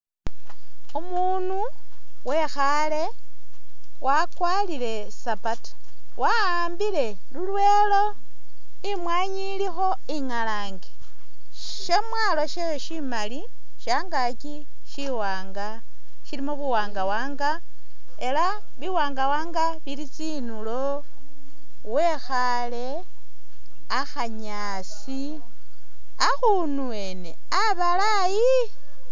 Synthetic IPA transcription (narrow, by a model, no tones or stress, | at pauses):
omu | nu | we̞xa | le̞ | wakwalile̞ | sapatḁ | wa | aːmbile̞ | lulwe̞lo̞ | imwaːɲilixo̞ | iŋalaːŋɡe | ʃemwaːlo̞ʃeʃimali | ʃaːŋɡaci | ʃiwaːŋɡa | ʃilimuβuwaːŋɡawaːŋɡa | e̞la | βiwaːŋɡawaːŋɡa | βilit͡sinulo | we̞xa | le̞ | axaɲa | s | i | axu | nuwene̞̰ | aβala | ji